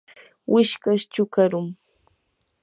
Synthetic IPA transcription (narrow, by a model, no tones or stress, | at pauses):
wʔɪʃkaʃt͡ʃʊkaɾʊŋ